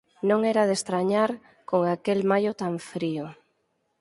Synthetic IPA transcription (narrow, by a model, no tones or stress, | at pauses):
nõŋɛɾaðest̪ɾaɲaɾ | koŋakelmajʊt̪aɱfɾio